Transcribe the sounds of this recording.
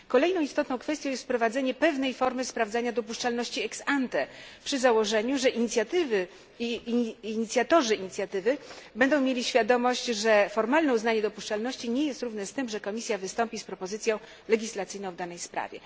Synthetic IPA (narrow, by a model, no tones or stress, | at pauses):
kɔlɛjnɔ̃w̃ist̪ɔt̪nɔ̃w̃kfɛst̪jɔ̃w̃jɛst̪pɾɔvad̪zɛɲɛpɛvnɛjfɔɾmɘspɾavd̪zaɲad̪ɔpuʂt͡ʂalnɔɕt͡ɕiɛksant̪ɛpʂɘzawɔʐɛɲuʐɛʔiɲit̪sʲjat̪ɘvɘ | iɲit̪sʲjat̪ɔʐɘiɲit̪sʲjat̪ɘvɘbɛnd̪ɔ̃w̃mʲjelʲiɕfʲjad̪ɔmɔɕt͡ɕʐɛfɔɾmalnɛuznaɲɛd̪ɔpuʂt͡ʂalnɔɕt͡ɕiɲɛjɛst̪ɾuvnɛst̪ɘmʐɛkɔmʲisʲjavɘst̪ɔmpʲispɾɔpɔzɘt̪sjɔ̃w̃ | lɛɡʲislat̪sɘjnɔ̃wvd̪anɛjspɾa̰vʲjɛ̰